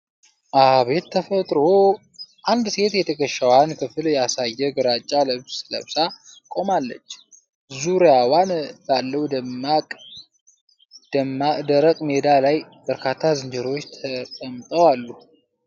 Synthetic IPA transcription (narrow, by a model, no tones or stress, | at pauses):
ʔaβe̞t̪ːʰəfət̪ʼɾo̞ | ʔand̪se̞t̪jɛt̪ʰəkəʃːawankʰɨfɨljasajːɛɡɨɾat͡ʃʼːaləβssɨlə̰βsakʼo̞malːə̰t͡ʃː | zuɾjawanbalːəwud̪əmakʼ | d̪əmad̪əɾəkʼmed̪alaj | b̥əɾkʰat̪ʰːazɨnd͡ʒəɾo̞t͡ʃːt̪ʰət̪ʼəmt̪ʼəwalːu